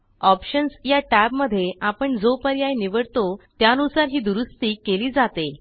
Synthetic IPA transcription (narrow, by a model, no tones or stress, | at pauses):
ɔpɕənsjaʈæbməd̪ʱːjeʔapəɳd͡zopəɾjajniʋəɽt̪ot̪janusaɾɦiːd̪uɾust̪iːkeliːd͡zat̪e